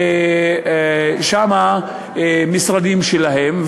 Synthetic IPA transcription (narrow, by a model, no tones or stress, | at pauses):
ʃama | misʁad̪imʃelaɦemv